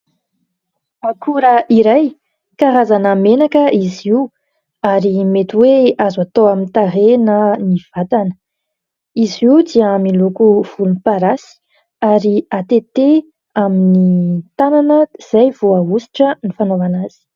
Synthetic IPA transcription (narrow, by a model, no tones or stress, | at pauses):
makʰuɾəʔiɾaj | kaɾazanamenakəiziu | aɾimet̪iweazuat̪oamint̪aɾenəniv̥at̪anə̥ | iziud̪iəmilukuv̥ulunipaɾasi̥ | aɾiat̪et̪e | aminit̪ananəz̥ajvoaɦusi̥ʈ͡ʂənifanovanaz̥i̥